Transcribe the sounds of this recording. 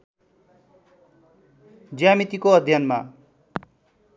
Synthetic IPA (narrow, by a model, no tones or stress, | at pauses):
d͡zjamit̪ikoʌd̪ʱjʌnma